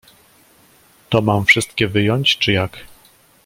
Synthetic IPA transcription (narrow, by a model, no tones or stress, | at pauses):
t̪ɔmamfʂɘst̪kʲɛvɘjɔɲt͡ɕt͡ʂɘjak